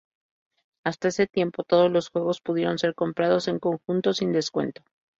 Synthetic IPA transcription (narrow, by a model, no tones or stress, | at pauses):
ast̪ae̞se̞t̪je̞mpo̞t̪o̞ð̞o̞zlo̞sxwe̞ɣ̞o̞spuðje̞ɾo̞nse̞ɾko̞mpɾaðo̞se̞ŋko̞ŋxunt̪o̞sind̪e̞skwe̞̰nt̪o̞̥